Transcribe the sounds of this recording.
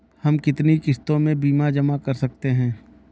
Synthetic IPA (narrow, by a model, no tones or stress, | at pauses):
hɐmkɪt̪nikɪst̪õmẽbiːmad͡ʒɐmakɐɾsɐk̚t̪eɦɛ̃ː